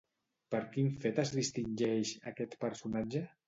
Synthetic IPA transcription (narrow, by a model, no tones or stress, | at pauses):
pəɾkinfet̪əzðist̪inʲʒɛʃa̰kɛt̪pəɾsunad͡ʒə